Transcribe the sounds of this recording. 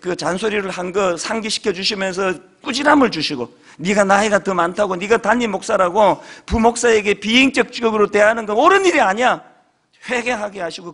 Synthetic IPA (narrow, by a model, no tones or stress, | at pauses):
kɯt͡ɕansʰoɾiɾɯɭhanɡʌsʰaŋɡiɕʰi̥kʰjʌd͡ʑuɕʰimjʌns̬ʰʌ | k͈ud͡ʑiɾamɯɭt͡ɕuɕʰiɡo | niɡanaiɡatɯmantʰaɡoniɡatanːimok̚s͈aɾaɡopumok̚s͈aeɡe̞piiŋt͡ɕ͈ʌk̚t͡ɕ͈ɯɡɯɾote̞ɦanɯnɡʌnoɾɯniɾiaɲia | ɸwe̞ɡe̞ɦaɡiɦaɕʰiɡo